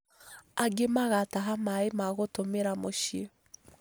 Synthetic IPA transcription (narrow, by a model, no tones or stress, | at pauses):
aɡemaɣataɦamaemaɣotomeɾamoʃe